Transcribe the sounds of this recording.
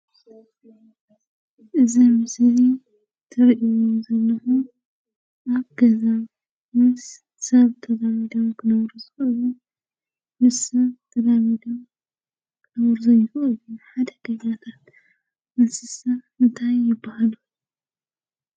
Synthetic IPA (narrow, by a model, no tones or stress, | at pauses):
ʔɨzimɨsli | t̪ʰɨɾiʔiwozɐlːɐxu | ʔaβɡɐza | mɨs | sɐβt̪ʰɐd̪amid̪ɐmkʰɨnɐβɾuzɨxʔɨlu | mɨsɐβt̪ʰɐd̪amid̪om | kʰɨnɐβɾɨzɐjɪxʔɨluħad̪ɐɡɐɲat̪ʰat̪̚ | mɨnsɨsɐ | ɨnt̪ʰajːɪbːahalu